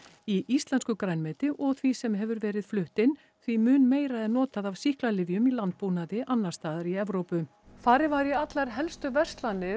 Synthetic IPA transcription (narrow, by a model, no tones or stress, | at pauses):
iʔist̪lɛnskʏkɾajnmɛːt̪ɪʔɔɣθvisɛmɦɛvʏɾvɛːɾɪðflʏht̪ɪn | θvimʏːnmeːjɾaɛnːɔːt̪aðavsihklalɪvjʏmilant̪̚puːnaðɪʔanːaɾst̪aːðaɾiɛvɾowpʏ | θaɾɪvaːɾjɛat̪laɾ̥ɦɛlst̪ʏvɛst̪lanːɪ